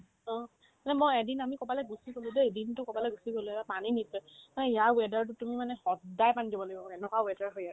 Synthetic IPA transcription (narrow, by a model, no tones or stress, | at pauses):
ɔ̃ | anɛmɔjɛdinamikɔpalɛɡusikoludeedintʊkɔpalɛɡusikoluɛbapaninitɔmanɛijawɛdaɹtʊtumimanɛxɔdajpanizɔbɔloɡibɔɔɛnɛkwawɛdaɹɦoja